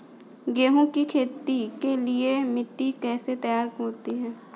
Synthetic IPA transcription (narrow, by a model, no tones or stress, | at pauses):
ɡeːɦõkikʰeːt̪ikeliemɪʈːikɛːset̪ɐjaːɾkoːt̪iɦɛː